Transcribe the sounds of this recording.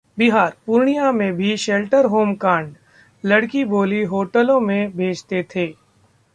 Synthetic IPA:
bɪɦaːɾpʊɾɳijamẽbʱiʃelʈəɾɦoːmkãːɳɖ | lɐɽkiboːliɦoːʈəlõmẽbʱeːd͡ʒt̪et̪ʰeː

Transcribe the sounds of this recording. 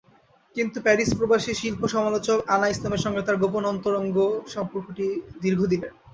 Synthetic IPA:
kint̪upɛɾispɾobaʃeʃilpoʃɔmalot͡ɕokanaislameɾʃɔŋɡet̪aɾɡoponɔnt̪oɾoŋɡoʃɔmpoɾkʰoʈid̪iɾɡʱod̪ilen

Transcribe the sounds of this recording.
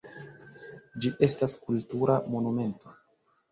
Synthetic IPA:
d͡ʒiʔe̞staskultuɾʔamo̞nume̞nto̞

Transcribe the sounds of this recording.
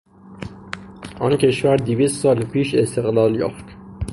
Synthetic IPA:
ʔɒːncʰe̞ʃvæɾd̪iviːst̪sɒːlpʰiːʃe̞st̪ʰe̞ɣlɒːljɒ̰ːft̪

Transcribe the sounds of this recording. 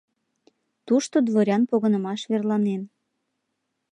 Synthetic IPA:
t̪uʃt̪od̪βoɾʲɑnpoɣənə̆mɑʃβerlɑnen

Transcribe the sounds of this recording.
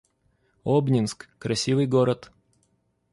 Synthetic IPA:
obnʲɪnskːɾɐsʲivɨjɡoɾət̪

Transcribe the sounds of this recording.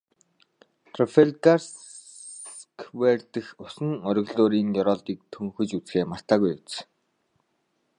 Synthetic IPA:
t̪ʰrɔfeɮtas | kʰwert̪ɘ̆xʊsə̆ŋɔɾʲɪ̆ɣɮoːɾiːŋjɔɾɔːɮt̪iːk̚t̪ʰɵŋxɵ̆t͡ɕut͡sxeːmar̥t̪aːɣujʊt͡s

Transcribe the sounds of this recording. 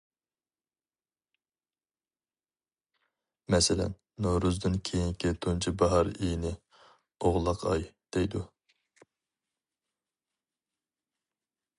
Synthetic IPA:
mɛsɪlɛ̰nːoɾuzd̪ɨnkʲʰejiŋkʲit̪ʰunt͡ʃʰibɑɦɑɾijnɪ | oʁlˠɑqʰɑ̰jd̪̥ejd̪u

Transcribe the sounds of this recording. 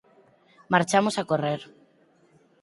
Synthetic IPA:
maɾt͡ʃamosakoreɾ

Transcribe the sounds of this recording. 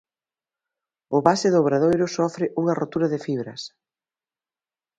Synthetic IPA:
ʊβasɪðʊːβɾaðojɾʊsɔfɾɪʔuŋɐrot̪uɾɐðɪfiβɾɐs

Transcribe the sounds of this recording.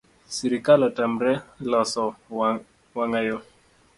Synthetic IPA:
siɾikalatam̩ɾɛlɔsɔ | waŋajo

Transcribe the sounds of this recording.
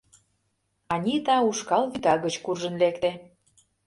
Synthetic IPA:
ɑnʲit̪ɑuʃkɑlβyt̪ɑɣə̆t͡ɕkurʒə̆nlekt̪e

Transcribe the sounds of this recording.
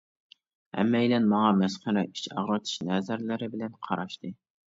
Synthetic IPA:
ɛ̰mːɛjlɛnmɑŋɑmɛsχæɾɛi̥t͡ʃɑ̰ʁɾɨt̪ʰɨ̥ʃnɛzæɾlɪɾɪbɪlɛnqʰɑɾɑʃt̪ɨ

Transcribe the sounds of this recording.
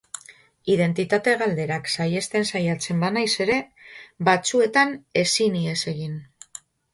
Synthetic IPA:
iðe̞nt̪it̪at̪e̞ɣ̞ald̪e̞ɾaksaje̞st̪e̞nsajat͡se̞mbanajse̞ɾe̞ | bat͡sue̞t̪ane̞sinie̞se̞ɣin

